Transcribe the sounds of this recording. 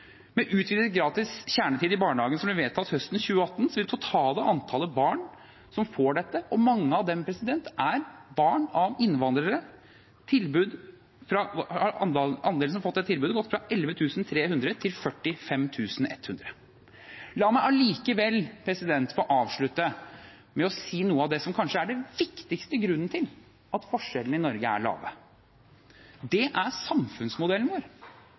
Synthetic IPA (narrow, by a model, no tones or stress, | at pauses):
mɛʔʉːt̪ʰʋiːd̪ɛt̪ɡɾɑːt̪ɪsçæːɳət̪ʰiːd̪ɪbɑːɳəɖɑːɡənsɔmb̪lɪʋeːt̪ʰɑt̪hœst̪n̩çʉːəɑt̪ːnsɔʋɪt̪ʰʊt̪ʰɑːləʔɑnt̪ʰɑːləbɑːɳ | sɔmfoːɖɛt̪ːəʔɔmɑŋːəɑʋd̪ɛmpʰɾɛsɪd̪ɛnt̪ʔæɾbɑːɳɑʋɪnʋɑnd̪ɾəɾə | t̪ʰɪlbʉːd̪ | fɾɑɑɑnɑnd̪elsɔmfɔt̪ːɛt̪ʰːɪlbʉːd̪ɡɔt̪ːfɾɑʔɛlʋət̪ʰʉːsnt̪ʰɾeːhʉnd̪ɾət̪ʰɪlfœʈːɪfɛmt̪ʰʉːsnɛ̰t̪ːhʉnd̪ɾə | lɑːmæɪʔæɭiːkəʋɛlːpʰɾɛsɪd̪ɛnt̪fɔʔɑːʋʂɭʉt̪ːə | mɛɔsiːnuːəɑʋd̪ɛsɔmkʰɑnʂəæɖɛʋɪkt̪ɪkst̪əɡɾʉnːət̪ʰɪl | ɑt̪fɔʂɛlən̩ɪnɔɾɡəæ̰ɭɑ̰ːʋə̰ | d̪ɛʔæsɑmfʉnsmʊd̪ɛlːnøːɾ